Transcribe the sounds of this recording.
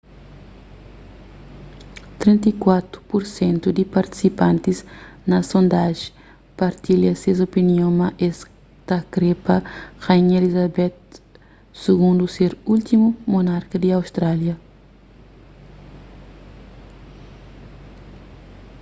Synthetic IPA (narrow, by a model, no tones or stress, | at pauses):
t̪ɾẽnt̪ɐikwat̪ɾu̥puɾsẽnt̪ud̪ipɐɾt̪i̥sipãnt̪iznɐsõnd̪aʒ̥ | pɐɾt̪iʎɐsezopiniõmɐʔes | t̪akɾepɐxaɲelizabɛt̪̚ | suɡũnd̪useɾult̪imumonaɾkɐd̪iawst̪ɾaljɐ